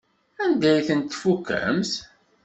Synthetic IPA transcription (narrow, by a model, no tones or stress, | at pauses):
ænd̪æjθənt̪ːfukːæ̰mθ